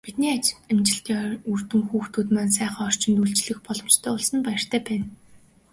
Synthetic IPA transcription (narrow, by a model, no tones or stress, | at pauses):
pit̪̚niːat͡ɕæmt͡ɕɪ̆ɬt̪iːɵr̥t̪ɘ̆ŋxuːxt̪ʰuːt̪maːnsæːχaːɔr̥t͡ɕɪ̆nt̪uɮt͡ɕɮɘ̆xpɔɮɞ̆mt͡ɕt̪ʰœːʊɮsə̆npæjɪ̆r̥t̪ʰæːpæːn